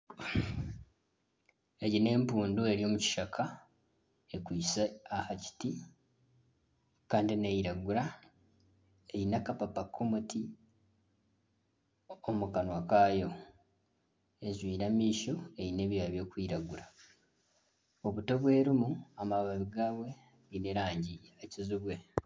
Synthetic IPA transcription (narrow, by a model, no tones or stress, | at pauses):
eɟine̞ːmpuːndue̞ɾio̞ːmuci̥ʃakʰa | ekwiːsaːhaci̥ti | kaːndinejiɾaɡuɾa | ejinakapapakʰːomuti | omukanwakaːjo̞ | e̞zwiːɾamiːʃo̞ejine̞βijaːβjo̞ːkwiːɾaɡuɾa | o̞βuto̞βwe̞ːɾimuamaβaβiɡaːβwe̞ | βineɾaːɲɟijeːcizuβwe̞